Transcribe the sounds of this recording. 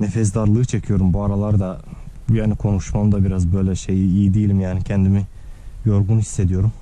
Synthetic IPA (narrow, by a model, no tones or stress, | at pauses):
nefɛs̬d̪aɾlˠɯːt͡ʃʰecʰijo̞ɾumbuaɾalˠaɾd̪ajaːnikʰo̞nuʃmamd̪abiɾazbø̞jlʲɛʃe̞jiːjid̪ijilʲimjaːnicʰɛnd̪imi | jo̞ɾɡunhi̥sːe̞d̪ijo̞ɾum